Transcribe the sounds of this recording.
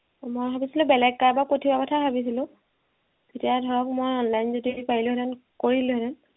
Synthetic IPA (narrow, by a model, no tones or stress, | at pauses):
mojbʱabisilʊ̃bɛlɛɡ̚kaɹbapotʰibakɔtʰabʱabis̬ilʊ̃ | zetijadʱɔɹɔk̚mɔjɔnlajnzodieipaɹilʊ̃ɦɛɾɛnkoɹilʊɦɛɾɛn